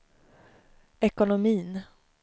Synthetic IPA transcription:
ɛkʊnʊmiːn

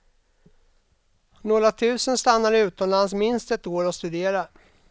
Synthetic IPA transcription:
noːɾat̪ʰʉ̟ːsənst̪anːaɾɪʉ̟ːt̪ɔmlans̬mɪnst̪ɛt̪ːoːɾɔst̪ɵd̪eːɾa

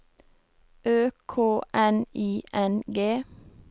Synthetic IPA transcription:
øːkʰoːʔɛniːʔɛnɡeː

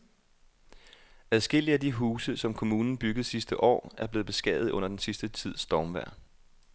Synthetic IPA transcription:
æðˠsɡ̥e̝l̰iæd̥iɦuːsəsɒ̽mkʰo̝muːnn̩b̥yɡ̥əð̞̩ˠsisd̥əʔɒ̰ːæɐb̥le̝ːð̩ˠb̥e̝sɡ̥ɛ̰ːð̩ˠɔ̽n̰ɐd̥ensisd̥ət͡sʰið̞̰ˠsd̥ɒːmʋæɐ̰

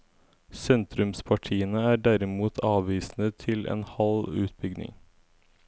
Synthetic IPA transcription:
sɛnt̪ɾʉmspʰɑʈʰiːənəæːɖæɾɪmuːt̪ʰɑːʋʋiːsnət̪ʰɪlʔḛːnhɑlʉːt̪̚bʏɡnɪ̰ŋ

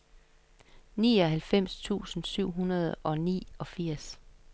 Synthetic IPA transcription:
niːɒ̽ɦælfem̰st͡sʰṵːsn̩syʊ̰ɦunɐð̞ˠɒ̽nḭːɒ̽fiɐ̰s

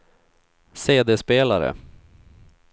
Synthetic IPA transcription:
seːd̪espeːlaɾə̰

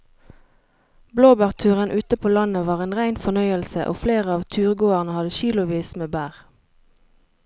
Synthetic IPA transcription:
bloːbæːʁt̪ʰʉːʁənʔʉːt̪əpʰoːlɑnəʋɑːʁeːnʁæɪnfɔnœʏəlsə̰ʔo̰ːfleːʁəɑːʋt̪ʰʉːʁɡoːəʁnəhɑd̪əʃiːlʊʋiːsmeːbæːʁ

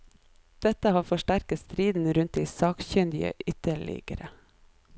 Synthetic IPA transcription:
d̪̥ɛt̪əhɑːfɔʃʈæɾkət̪st̪ɾiːd̪n̩ɾʉnt̪̚d̪iːsɑːkçœnd̪ɪə̰ʔʏt̪əɭɪ̰ɡəɾə

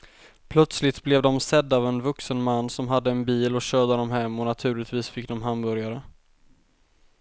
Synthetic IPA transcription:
pʰlœt̪slɪt̪blɛvd̪ɔmsɛd̪ːaːvɛnvɵksənmanːsɔmɦad̪ːəɛnbiːlɔɕøːd̪əd̪ɔmɦɛmːɔnat̪ʰʉ̟ːlɪt̪viːsfɪk̚ːd̪ɔmɦambœɾjaɾə

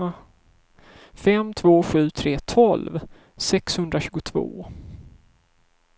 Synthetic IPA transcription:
fɛmt̪ʰvoːɧʉ̟ːt̪ʰɾeːt̪ʰɔlv | sɛkshɵnd̪ɾaɕʉ̟ːɡʊt̪ʰvo̰ː

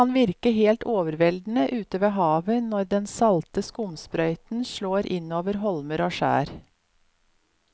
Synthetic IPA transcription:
ɑnʋɪɾkəɦeːlt̪oːʋəɾʋɛld̪n̩əʔʉːt̪əʋeːɦɑːʋənɔɾd̪ɛnsɑlt̪əskʊmspɾœʏt̪n̩ʃɭoːɾʔɪnoːʋəɾɦɔlməɾoːʃæ̰ːɾ

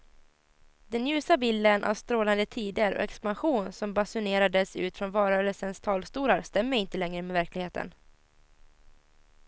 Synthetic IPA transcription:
d̪ɛnjʉ̟ːsabɪld̪ənʔa̰vst̪ɾoːland̪ət̪ʰiːd̪əɾɔ̰ʔɛkspanɧuːnsɔmbasʊneːɾad̪əsʉ̟ːt̪fɾɔnvɑːɾœːɾəlsənst̪ʰɑːlst̪uːɾaɾst̪ɛmːəɪnt̪əlɛŋɾəmɛvæɾklɪɡheːt̪ʰə̰n

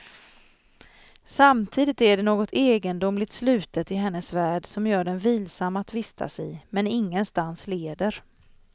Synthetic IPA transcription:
samt̪ʰiːd̪ɪt̪æɖɛnoːɡɔt̪ʰeːɡənd̪ʊmlɪt̪slʉ̟ːt̪ət̪ɪɦɛnːəsvæːɖsɔmjœːɖɛnviːlsamːat̪vɪst̪ʰa̰sɛjmɛnɪŋːənst̪ansleːd̪əɾ

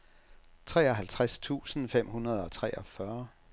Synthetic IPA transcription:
t͡sʰʁɛːɒ̽ɦælt͡sʰʁast͡sʰṵːsn̩fem̰ɦunɐð̞ˠɒ̽t͡sʰʁɛːʔɒ̽fɶɐ

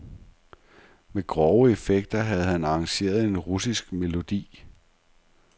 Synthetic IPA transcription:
meɡ̥ʁɒʊəe̝feɡ̥d̥ɐɦæð̞̩ˠhænɑ̈ːŋɕe̝̰ːɐð̞ˠe̝nʁusisɡ̥me̝lo̝d̥ḭː

